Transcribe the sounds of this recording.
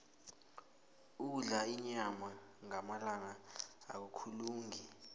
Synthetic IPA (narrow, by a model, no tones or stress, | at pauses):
uuɮaiɲamaŋamalaŋaa̰k̬ukʰuluːŋi